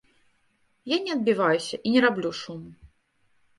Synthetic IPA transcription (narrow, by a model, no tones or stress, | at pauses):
janʲɛɐd̪̚bʲivajusʲɐʔinʲɛɾablʲuʂumu